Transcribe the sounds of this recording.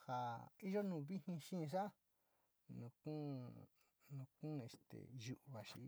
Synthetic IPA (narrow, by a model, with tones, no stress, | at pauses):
ha˨i˦ʒo˦nũː˧˨βi˦hĩ˧ʃĩ˦˧ʂ̬a˦ | nũ˧kũ˦ | nũ˧kũ˦˧e˧st̪ḛ˨ʒu˨ʔβa˨ʃḭ˨˦